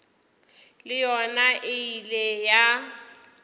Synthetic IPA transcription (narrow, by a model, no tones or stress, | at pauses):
lɪjɔnaʔɪileja